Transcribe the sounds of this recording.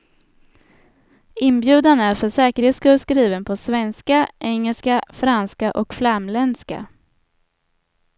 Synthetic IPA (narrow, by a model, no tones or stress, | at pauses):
ɪnbjʉ̟ːd̪anæɾfœʂɛːkəɾheːt̪skɵlskɾiːvənpʰɔsvɛnskaʔɛŋːəlskafɾanskaʔɔkflamlɛnska̰